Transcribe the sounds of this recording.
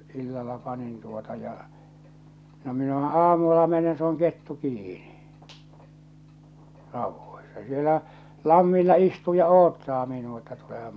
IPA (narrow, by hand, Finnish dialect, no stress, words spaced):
ilːɑlːɑ pɑnin tuotɑ jɑ no minæhæ̥ ɑːmulːɑ menen se oŋ ketːu kiːni rɑuʋːoisɑ̥ sielæ lɑmːilːɑ istuː jɑ oːtːɑː minuɑ etːæ tulehɑm